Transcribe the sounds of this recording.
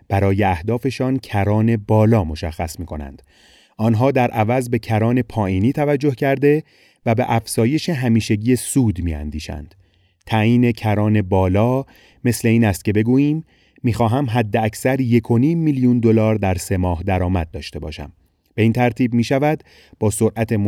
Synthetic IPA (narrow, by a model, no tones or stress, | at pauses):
b̥æɾɒːjeæhd̪ɒːfe̞ʃɒːncʰæɾɒːne̞bɒːlɒːmo̞ʃæxːæsmiːkʰo̞næ̰nd̪̥ | ʔɒːnɦɒːd̪æɾʔævæzbe̞cʰæɾɒːne̞pʰɒːʔiːniːt̪ʰævæd͡ʒːohcʰæɾd̪e̞ | væbeʔæfz̥ɒːje̞ʃe̞ɦæmiːʃeɟiːjesuːd̪miːæ̰nd̪iːʃæ̰nd̪̥ | t̪ʰæjiːnecʰæɾɒːne̞bɒːlɒː | me̞sle̞iːnæst̪̚cʰe̞be̞ɡuːjiːmː | iːxɒːɦæmɦæd̪ːeæcʰsæɾje̞kʰo̞niːmːilijund̪o̞lɒːɾd̪æɾse̞mɒːhd̪æɾɒːmæd̪̚ːɒːʃt̪e̞bɒ̰ːʃæ̰m | b̥e̞iːnt̪ʰæɾt̪ʰiːb̚miːʃævæd̪ | b̥ɒːsoɾʔæt̪ʰe̞m